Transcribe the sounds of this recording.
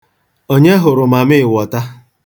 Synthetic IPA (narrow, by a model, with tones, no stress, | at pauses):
o˦ɲe˦ɦʊ˨ɾʊ˨ma˨mɪ˦˨wɔ˨ta˦